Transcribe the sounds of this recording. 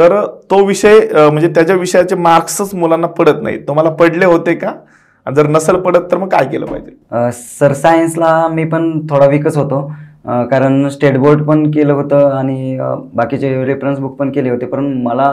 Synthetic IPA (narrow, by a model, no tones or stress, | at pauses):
t̪əɾt̪oʋiɕəjm̤əɳd͡zet̪jat͡ɕjaʋiʂəjat͡ɕemaɾksət͡smulanːapəɽət̪na̰ɦḭt̪om̤alapəɽleɦot̪eka | a̰d͡zəɾnəsəlpəɽət̪ːəɾməɡ̚kajkelə̰ːpa̰ɦid͡ʑe | səɾsaənslamiːpəɳt̪ʰoɽaʋikəsɦot̪okaɾəɳsʈeʈboɾɖpəɳkeləɦot̪əaɽ̃ibakit͡ɕeɾifɾənsbuk̚pəɳkeleɦot̪epəɾəɳməla